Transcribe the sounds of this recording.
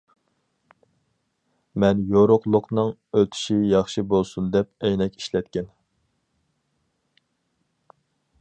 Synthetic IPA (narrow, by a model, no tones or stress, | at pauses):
mɛnjoɾʊqlˠʊqnɨŋøt̪ʰy̥ʃijɑχʃibolˠsund̪ɛp̚ɛjnɛkʲi̥ʃlɛt̪̚kʲɛn